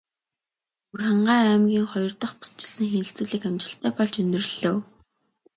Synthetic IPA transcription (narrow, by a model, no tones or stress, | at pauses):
urχaɴɢaːɾæːmɡʲiːŋχɔjɞ̆rt̪ə̆χpu̥st͡ɕɪ̥̆ɮsɘ̆ŋxenɘ̆ɬt͡suːɮiːkæmt͡ɕɪ̆ɬt̪æːpɔɮt͡ɕɵnʲd̪ɵ̆r̆ɮoː